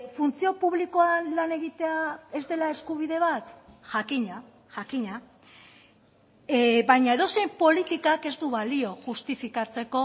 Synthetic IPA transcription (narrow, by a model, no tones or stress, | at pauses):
funt͡sio̞puβ̞liko̞anlane̞ɣit̪e̞ae̞zd̪e̞lae̞skuβ̞iðe̞β̞at̪ʝakiɲa | ʝakiɲa | βajɲae̞ðo̞se̞jmpo̞lit̪ikake̞zd̪uβalio̞ʝust̪ifikat͡se̞ko̞